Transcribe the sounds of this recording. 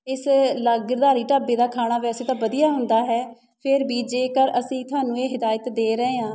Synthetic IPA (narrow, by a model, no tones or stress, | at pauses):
ɪsləɡd̪aːɾiːʈaːbeːd̪aːkʰaːɽaːʋɛːəsĩːt̪ãːbəd̪ijaːɦʊnd̪aːɦɛː | pʰɪɾbiːd͡ʒeːkəɾəsĩːt̪ʰʊaːnũːeːɦɪd̪aːjət̪d̪eːɾəeːãː